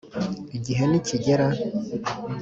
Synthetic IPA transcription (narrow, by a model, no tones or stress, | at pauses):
iɟiɦeniciɟeɾa